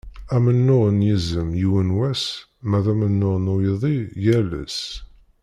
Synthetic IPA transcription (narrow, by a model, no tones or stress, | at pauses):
æmənːʊʁənjizəmjiwənwæs | mæðæmənːʊʁnʊjəðˤijælə̰s